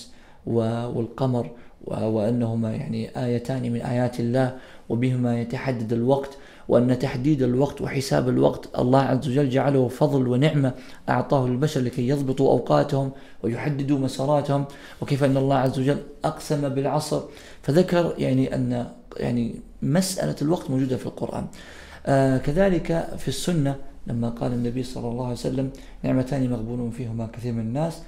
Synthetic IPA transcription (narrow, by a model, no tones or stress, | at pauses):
wɪwɪ̰lqɑmɑɾˤwɪʔanːaɦʊmaja̰ʕniʔaːjat̪aːnimɪnʔa̰ːjaːt̪ɪlːaːh | wɪbɪhɪmajat̪aħad̪ːad̪alwɑqt̪ | wʔanːat̪aħd̪iːd̪alwɑqt̪wɪ̰ħɪsa̰ːbalwɑ̰qt̪ʔɑ̰lˤːɑːhʕazːawad͡ʒalːd͡ʒaʕalahʊfɑðˤlwɪnɪʕma | ʔɑ̰ʕt̪ˤɑːhʊɪlbaʃɑɾˤlɪkajːɑðˤbɨt̪ˤuʔa̰wqɑ̰ːt̪hʊm | wɪjʊħad̪ːɪd̪umasɑːɾˤɑːt̪hʊm | wɪkeːfʔɪnːɑlˤːɑːʕazːawad͡ʒalːʔɑqsamabɪlʕɑsˤɾ | faðakɑɾˤjaʕniʔa̰nːa | ja̰ʕni | masʔa̰la̰lwɑqt̪mowd͡ʒuːd̪afilqʊ̰ɾʔa̰ːn | kaðaːlɪkafisːʊnːalamːaqɑ̰ːlanːabiːsˤɑ̰lːɑlˤːɑːhʕajsalːam | nɪʕmat̪aːnimaɣbuːluːnfiːhʊmakaθiːɾmɪnanːaːs